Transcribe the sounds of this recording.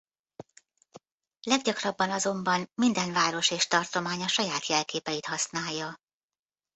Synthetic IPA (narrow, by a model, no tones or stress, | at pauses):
lɛɡɟɒkrɒbːɒnɒzo̞mbɒnmind̪ɛnvaːɾo̞ʃeːʃt̪ɒrt̪o̞maːɲɒʃɒjaːt̪jɛlkeːpɛjit̪hɒsnaːjːɒ